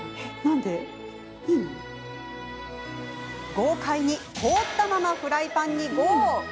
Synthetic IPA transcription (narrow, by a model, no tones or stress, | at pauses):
nãnd̪e̞ | ɯ̃ɴ | ɡo̞ːkʰaiɲ̟ikʰoːt̪ːamamaɸɯ̟ɾaipãɲ̟ːiɡo